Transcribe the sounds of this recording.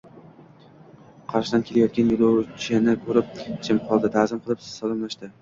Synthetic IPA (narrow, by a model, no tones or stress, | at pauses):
qʰɑɾʃɪd̪ankʲʰe̞lajɒt̪kʲanjʊlˠowt͡ʃʰɪnɪkʰɵɾɪp̚t͡ʃʰɪmqʰɒlˠd̪ɪd̪ʰazɪmqʰɨlˠɪpsɒlˠɑmlaʃd̪ɪ